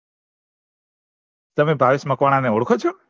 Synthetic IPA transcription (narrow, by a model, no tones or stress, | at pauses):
t̪əmẽbʱaʋisməkʋaɽ̃aneoɽkʰot͡ʃʰo